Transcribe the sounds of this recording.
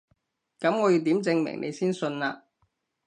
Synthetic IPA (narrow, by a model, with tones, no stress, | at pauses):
kɐ˨˥mŋɔː˨˧jiː˨˧wt̪̬iː˨˥mt͡sɪ˧ŋmɪ̰˨˩ŋnḛ˨˧jsiː˥nsɵ˧nlaː˧